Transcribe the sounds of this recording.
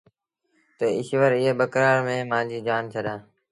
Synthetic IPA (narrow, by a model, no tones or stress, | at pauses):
t̪əɪʃʋəɾɪːeːɓəkɾaːɾmẽːmãːd͡ʑiːd͡ʒaːnt͡ʃʰəɗaː